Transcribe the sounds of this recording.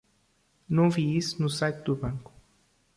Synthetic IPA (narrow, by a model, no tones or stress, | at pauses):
nɐ̃w̃viisunʊsajt̪ɪd̪uβɐ̃ŋkʊ̥